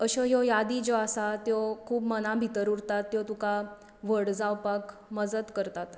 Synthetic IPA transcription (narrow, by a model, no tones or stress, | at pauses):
əɕɔɦjojad̪id͡zoasat̪jokʰuːbmənabʱit̪əɾuɾt̪at̪ːjot̪uka | ʋəɽd͡zawpak | məd͡zəd̪kəɾt̪at̪